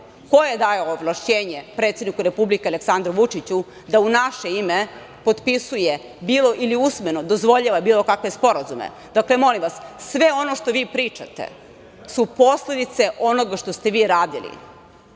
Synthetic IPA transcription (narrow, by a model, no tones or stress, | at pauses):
ko̞jed̪ajoːblˠaʃt͡ɕeːɲepɾe̞t̪ed̪nikuɾepublikeale̞ksand̪ɾuʋut͡ʂit͡ɕu | d̪aunaʃe̞ime | po̞t̪pisuje | biːlo̞ʔiliusmenod̪ozʋo̞ʎaʋabiːlo̞kakʋe̞spo̞ɾazumḛ | d̪̥akle̞mo̞limʋassʋeo̞no̞ʂt̪o̞ʋiːpɾiːt͡ʂa̰t̪ḛ | supo̞sle̞d̪it̪se̞ʔo̞noɡaʃt̪o̞st̪e̞ʋiːɾaːd̪ḭlḭ